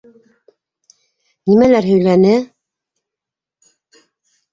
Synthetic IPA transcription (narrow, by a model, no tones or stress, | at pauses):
nimælæɾɦɵ̆jlænɘ